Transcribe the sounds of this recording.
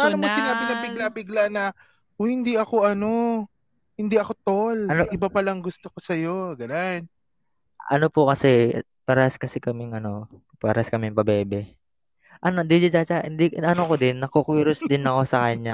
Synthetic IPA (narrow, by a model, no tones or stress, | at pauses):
paaːnɐmosɪnaːbɪnɐbɪɡlabɪɡlanɐ | ohhɪnd̪iʔɐko̞ʔɐno̞ | hɪnd̪iʔɐko̞t̪olɐnoʔɪbapɐlɐŋɡʊst̪okosɐjoɡɐnan | ʔɐ̰nopʊkɐsɛ | pɐɾskɐsɛkɐmɪŋʔɐno̞ | pɐɾaskɐmɪŋpɐbɛːbɛ | ʔɐnond̪id͡ʒɪd͡ʒat͡ʃaɪnd̪iʔɐnokod̪ɪnːɐkokiːɾosd̪ɪnɐko̞sɐkɐɲːa